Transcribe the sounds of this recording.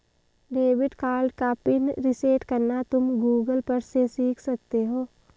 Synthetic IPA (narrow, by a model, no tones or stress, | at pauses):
ɖeːʋɪɖkaːlɖkapɪnɾɪseːʈkɐɾnat̪ʊmɡuːɡəlpɐɾsesiːkʰsɐk̚t̪eɦoː